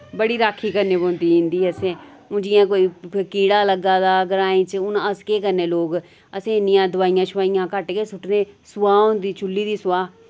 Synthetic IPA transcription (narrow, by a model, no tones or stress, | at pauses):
bəɽiːɾaːkʰːiːkəɾneːbõːnd̪iːʊ̃nd̪iːəsẽː | ʊ̃d͡ʒɪjãːkoːiːkiːɽaːləɡaːd̪aːɡəɾaːĩːt͡ʃʊnəskeːkəɾneːloːɡ | əsẽːnɪjãːd̪ʊʋaːɪjãːt͡ʃʰʊʋaːɪjãːkəʈɡeːsʊʈneːsʊʋaːɦõːnd̪iːt͡ʃʊlːiːd̪iːsʊwaː